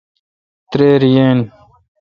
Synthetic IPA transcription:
t̪ɾeːɾijeːn

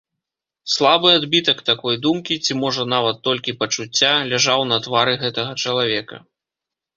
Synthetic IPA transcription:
slˠabɨad̪bʲit̪ɐkt̪akɔjd̪umkʲit͡sʲimɔʐɐnavɐt̪ːɔlʲkʲipɐt͡ʂut͡sʲːalʲɛʐawnɐt̪vaɾɨɣɛt̪ɐɣɐt͡ʂɐlˠavʲɛkɐ̰

